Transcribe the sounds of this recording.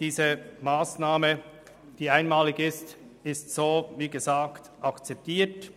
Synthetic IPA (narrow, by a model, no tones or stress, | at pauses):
d̥iːzəmaːsnaːmə | d̥iːaɪnmaːlɪɡɪst | ɪstsoːviːɡəzaːktʔɑkt͡sɛp̚tiːt